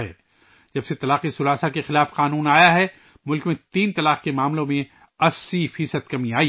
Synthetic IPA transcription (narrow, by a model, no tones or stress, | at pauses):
ɦɛ̰ː | d͡ʒɐbset̪ɐlaːqisʊɾaːsakexɪlaːfqaːnuːnaːjaɦɛ | mʊlkmẽt̪iːnt̪ɐlaːqkemaːmlõmẽ | ɐsːifiːsəd̪̚kɐmĩaːi